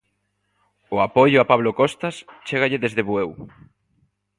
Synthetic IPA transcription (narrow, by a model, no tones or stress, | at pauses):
ʊapɔʎʊapaβlokɔst̪ast͡ʃeɣ̞aʎeðezðeβuew